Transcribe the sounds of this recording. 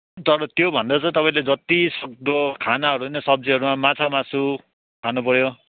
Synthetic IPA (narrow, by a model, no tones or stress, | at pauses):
t̪ʌɾʌt̪jobʱʌnd̪at͡saj̃t̪ʌpaĩled͡zʌt̪isʌk̚d̪ʌkʰanaʌɾunʌsʌb̚d͡ziɦʌɾumamat͡sʰamasu | kʰanupʌɾjo